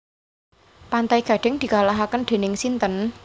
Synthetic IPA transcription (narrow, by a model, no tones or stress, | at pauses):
pant̪aiɡ̥ä̤ɖ̥ɛ̤ŋd̪̥i̤kalaɦakənd̪̥e̤nɪŋsint̪ən